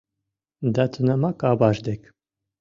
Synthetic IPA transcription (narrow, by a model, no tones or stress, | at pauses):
d̪at̪ʰɨnamakabaʃd̪ɛk